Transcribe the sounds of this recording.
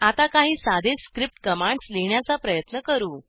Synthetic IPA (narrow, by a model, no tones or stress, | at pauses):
at̪akaɦiːsad̪ʱeskɾip̚ʈkəmaɳɖsleɳjat͡sapɾəjət̪nəkəɾuː